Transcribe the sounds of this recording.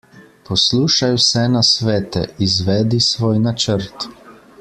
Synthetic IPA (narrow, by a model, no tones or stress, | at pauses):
posluːʃajwsɛnasʋɛːt̪ɛ̰izʋɛːd̪isʋoːjnat͡ʃəɾt̪